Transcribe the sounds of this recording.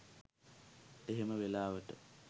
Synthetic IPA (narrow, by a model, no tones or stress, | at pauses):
eɦeməʋelaːʋəʈə̰